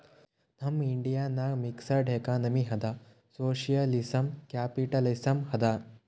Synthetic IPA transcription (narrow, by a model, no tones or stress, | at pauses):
nɐmiɳɖijaːnaːɡmiksɐɖʱeːkaːnɐmiɦɐd̪a | soːʃijɐlisɐmkaːpiʈɐlɐsɐmhɐd̪a